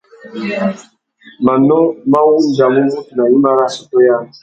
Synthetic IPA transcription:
mã˨nɔ˦mã˦wu˦n̩˦da˨mũ˦ɡu˦˨nã˨ĩ˦ma˦ɾa˦so˨to˦ja˦

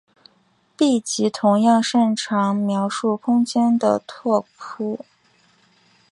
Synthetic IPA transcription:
pi˥˩t͡ɕi˧˥t̪ʰʊ˧˥ŋjɑ˥˧ŋʂə˥˩ŋʈ͡ʂʰɑ˧˥ŋmjɑ˧˥ʊʂu˥˩kʰʊ˥ŋt͡ɕjɛ˥nd̪ə̰˨˩t̪ʰwɔ˥˩kʰu˥˩

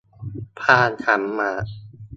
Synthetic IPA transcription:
pʰaː˧˩nkʰa˩˦mːaː˧˩

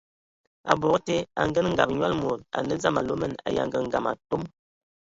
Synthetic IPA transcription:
a̰˨bɔ˨kte˦a˨ŋɡə˦n˦ŋ̩˦ɡa˨p̚ɲwa˦lmo˨t̚a̰˨nə˦za˦ma˨lo˦mə˦˨na̰˨ja̰˨ŋɡə˨ŋ̩˦ɡa˨ma̰˨to˦m

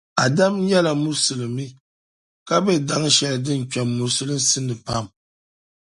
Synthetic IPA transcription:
a˨da˦m˦ɲɛ˦la˨mu˦sɨ˨lɨ˨mi˦ | ka˦bɛ˦˨da˦ŋ˦ʃɛ˨lɨ˨dɨ˦n˨ka˨mːu˨sɨ˦lɨ˦n̩˦sɨ˦nːɨ˨pa˦˨m

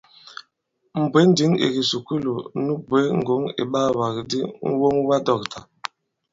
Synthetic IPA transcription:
m̩˨bwe˨˦n˦di˨˦ŋḛ˨ɡi˨su˨ku˦lo˨nu˦bwe˨˦ŋ̩˨ɡo˨˦ŋḛ˨ɓa˦˨wa˨kdi˦ŋ̩˦wo˦ŋ˦wa˦dɔ˨k̚tʰa˨

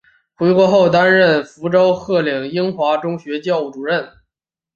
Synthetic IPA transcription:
xwe˧˥ɪkwɔ˧˥xo˥˩ʊt̪̬a˥nɻə˥˩nfu˧˥ʈ͡ʂo˥ʊxɤ˥˩li˨˩ŋi˥ŋxwa˧˥ʈ͡ʂʊ˥ŋɕɥɛ˧˥t͡ɕjɑ˥˧ʊu˥˩ʈ͡ʂu˨˩ɻə˥˩n

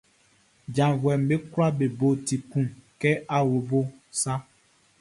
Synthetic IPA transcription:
d͡ʒã˨vwɛ˨m˨be˦kla˦be˨bo˨ti˨kũ˦˨kɛ˦ʔa˦wo˨bo˦sa˦

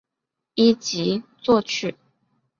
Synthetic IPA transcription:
i˥t͡ɕi˧˥t͡swɔ˥˧t͡ɕʰy˥˩

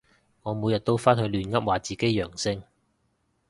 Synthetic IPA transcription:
ŋɔː˨˧mu˨˧jɐ˨t̚t̪o˥wfaː˥nhɵ˧jlyː˨˧nŋɐ˥p̚waː˨˧t͡siː˨˩ke˥jjœː˨˩ŋsɪ˥ŋ

